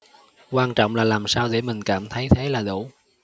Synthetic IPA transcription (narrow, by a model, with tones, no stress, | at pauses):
kwaː˧nt͡ɕɔ̰˧˨wŋ͡mlaː˨˩laː˨˩msaː˧wɗḛ˧˩mï˨˩ŋ̟kaː˧˩mt̪ʰə˨˦jt̪ʰe˨˦jlaː˨˩ɗṵ˧˩